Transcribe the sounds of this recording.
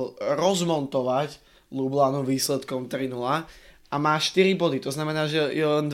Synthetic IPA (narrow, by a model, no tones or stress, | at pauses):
ɾɔzmɔnt̪ɔʋac | lublaːnuʋiːslɛt̪kɔmt̪ɾinulaʔamaːʃt̪iɾibɔd̪it̪ɔznamɛnaːʒɛjɛlɛnd̪